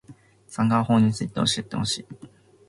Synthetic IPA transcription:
sãŋɡaho̞ːɲ̟it͡sɨit̪e̞o̞ɕie̞t̪ːḛho̞ɕḭː

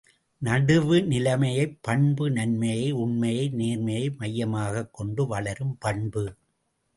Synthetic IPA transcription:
nɐɽɯʋɯnɪlɐmɐjɐɪpːɐɳbɯnɐnmɐjɐɪʊɳmɐjɐɪneːɾmɐjɐɪmɐjːɐmaːɣɐkːɔɳɖɯʋɐɭɐɾɯmpɐɳbɯ

